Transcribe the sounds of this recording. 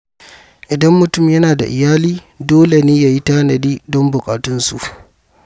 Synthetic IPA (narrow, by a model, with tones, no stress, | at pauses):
ʔɪ˨dɐ˦mːʊ˨tʊ˦˨mjɐ˦naː˨da̰˨ʔɪ˨jaː˦liː˦ | doː˦le˨neː˦ja˨ji˦taː˦nɐ˨diː˦dɔ˦mbʊ˨kʼaː˨tʊ˦nsṵ˨ʔ